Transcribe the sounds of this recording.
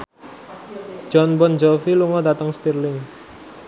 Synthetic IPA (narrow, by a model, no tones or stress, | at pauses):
d͡ʒ̥ɔnbɔnd͡ʒɔfiluŋɔd̪at̪əŋst̪irlɪŋ